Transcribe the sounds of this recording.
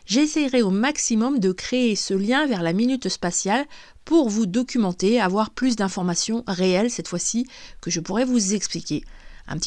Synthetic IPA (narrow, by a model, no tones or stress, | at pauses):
ʒesɛjʁɛomaksimɔmd̪əkχeːsəljɛ̃vɛʁlaminyt̪spasjal | puʁvud̪ɔkʲymɑ̃t̪eavwaʁplys̬d̪ɛ̃fɔʁmasjɔ̃ʁeɛlsɛt̪fwasikəʒəpuʁɛvuzɛksplikʲeɛ̰̃pət̪